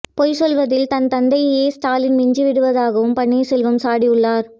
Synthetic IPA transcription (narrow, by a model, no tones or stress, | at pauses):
poːjsɔlʋɐðɪlt̪ɐnt̪ɐnd̪ɐjjeːsʈaːlɪnmɪɲd͡ʒiʋɪɽɯʋɐðaːɣɐʋɯmpɐɳːeɪsɛlʋɐmsaːɽiʊɭːaːɾ